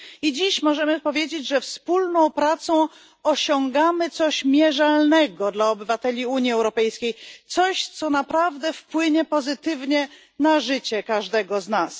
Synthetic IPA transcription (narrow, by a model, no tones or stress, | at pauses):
id͡ʑiɕmɔʐɛmɘpɔvʲjed͡ʑed͡ʑʐɛfspulnɔ̃w̃pɾat̪sɔ̃ | ɔɕɔŋɡamɘt̪sɔɕmʲjɛʐalnɛɡɔd̪laɔbɘvat̪ɛlʲiuɲjiɛwɾɔpɛjskʲejt̪sɔɕt̪sɔnapɾavd̪ɛfpwɘɲɛpɔzɘt̪ɘvɲɛ | naʐɘt͡ɕɛkaʐd̪ɛɡɔznas